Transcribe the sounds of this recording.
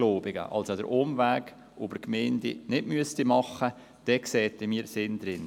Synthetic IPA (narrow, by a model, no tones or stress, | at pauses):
loːbɪɡ̥ə̰ʔɑ̰lsodə̰ɾʔʊmvæːɡ | ʔʊbəɾkmeːndḭnɪdmyəstimɑχə | d̥ɛksɛːtːɪmiːsɪnd̪ɾɪn